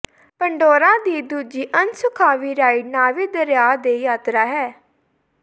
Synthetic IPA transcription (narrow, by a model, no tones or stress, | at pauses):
pəɳɖoːɾãːd̪iːd̪uːd͡ʒiːʔənsʊkʰaːʋiːɾaːiɖnaːʋiːd̪əɾjaːd̪eːjaːt̪ɾaːɦɛː